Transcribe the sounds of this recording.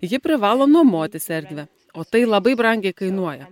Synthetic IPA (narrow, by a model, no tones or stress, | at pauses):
jɪpʲɾʲɪʋɑːlˠoːnuɔmoːt̪ʲɪsʲɛɾʲd̪ʲʋʲɛ | oːt̪ɐɪlˠɐbɐɪbɾɐŋʲɡʲɛɪkɐɪnuɔjɛ